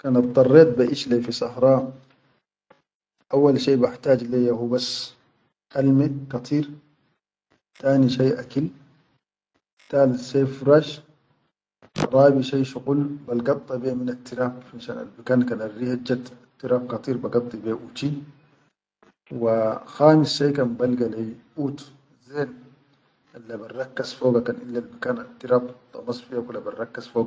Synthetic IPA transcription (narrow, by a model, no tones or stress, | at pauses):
kanɑb̚t̪ˤːɑrˤːeːt̪̚baʔiʃlefisˤɑhɾˤɑː | ʔawːalʃeːbaħt̪aːd͡ʒlejahubas | ʔalmikɑt̪ˤʰiːɾ | t̪aːniʃajʔakil | t̪aːlseːfɾaːʃ | ɾˤɑːbiʃajʃuqulbalɡɑt̪ˤːɑbeminat̪ːiɾaːbaʃa̰ːna̰lbikaːnkaːnarːihad͡ʒːat̪at̪ːiɾaːbkɑt̪ˤiːɾbaɡɑt̪ˤːibeːʔut͡ʃi | waxaːmisʃajkanbalɡalajʔuːt̪ | zeːn | alːabarˤːɑkːazfoːɡakanʔilːalbikaːnat̪ːiɾaːbt̪ˤːɑ̰mɑsˤfiakulabarˤːɑkːazfoːɡa